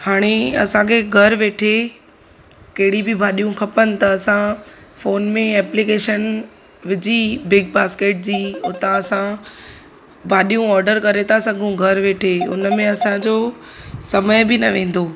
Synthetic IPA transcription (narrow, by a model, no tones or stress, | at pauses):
haːɽ̃eɐ̰sãkʰeɡʱɐɾʋeːʈʰe | kɐɦɪɽibɪbʱaːɗijũkʰɐpənɪ̆t̪ɐɐsãfoːnmẽɛːplikeːʃən | ʋɪd͡ʑibɪɡ̚baːskeːʈ̚d͡ʑiːʊt̪ãɐsã | bʱaːɗijũɔːɾɖəɾkɐɾet̪ʰasɐɡʱũɡʱɐɾʋeːʈʰeʊ̰nəmẽɐsãd͡ʑo | sɐməjbɪnɐʋẽːn̆d̪oː